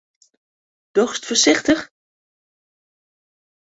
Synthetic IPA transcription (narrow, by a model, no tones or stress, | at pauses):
d̥ɔχstfəɹsɪχtəχ